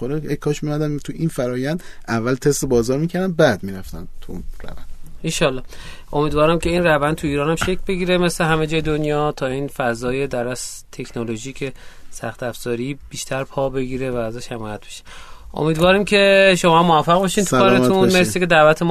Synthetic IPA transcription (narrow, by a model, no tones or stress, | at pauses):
oɾejejkʰɒːʃmijumæd̪ænt̪ʰuinfæɾɒːjænd̪ʔævːælt̪ʰest̪ebɒːzɒːɾmiːcʰæɾd̪æn̚bæd̪miːɾæft̪ænt̪ʰuunɾæ̰vænnd̪̥iʃɒlːɒː | o̞miːd̪vɒːɾæmcʲʰe̞iːnrævænd̪̚t̪ʰuiːɾɒːnæmʃekʰlbe̞ɡiːɾeme̞sle̞ɦæme̞d͡ʒɒːjed̪onjɒːt̪ʰɒːiːnfæzɒːje̞d̪æɾæs | t̪ʰe̞kʰnolo̞ʒiːcʰesæxt̪æfz̥ɒːɾib̥iːʃt̪ʰæɾpʰɒːbe̞ɡiːɾe̞væːzæːʃhemɒːjæt̪̚beʃe̥ʔo̰miːd̪vɒːɾimcʰe̞ʃo̞mɒmːoæfːæʁbɒʃint̪ʰukːɾet̪unmmeɾseked̪ævæt̪ʰem